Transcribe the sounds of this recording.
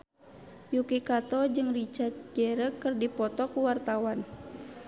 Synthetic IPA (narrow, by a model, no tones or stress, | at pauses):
jukikat̪ɔd͡ʒɨŋrit͡ʃat̪̚ɡɛɾəkːɨrdipɔt̪ɔkuwart̪awan